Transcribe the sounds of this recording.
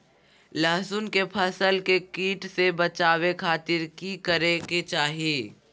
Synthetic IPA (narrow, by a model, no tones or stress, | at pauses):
ləɦsʊnkepʰɐsəlkekiːʈsebɐt͡ʃaːwekʰaːt̪ɪɾkikəɾeket͡ʃaːɦieː